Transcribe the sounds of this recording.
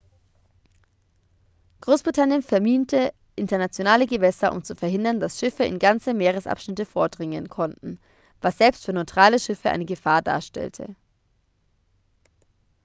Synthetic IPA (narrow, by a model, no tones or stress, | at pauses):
ɡ̥ʁoːsb̥ʁitʰanjənfɛɐmiːntʰə | ʔɪntɐnat͡sjonaːləɡəvɛsɐʔʊ̰mt͡sufɛɐɦɪndɐnd̥asʃɪfəɪ̰nɡant͡səmeːʁ̞əsʔa̰pʃnɪtəfoːɐdʁɪŋənkʰɔntn̩ | vasz̥ɛlpstfyːɐnɔɪtʁ̥aːləʃɪfəʔa̰ɪnəɡəfaːɐda̰ːɐʃtɛ̰ltʰə̰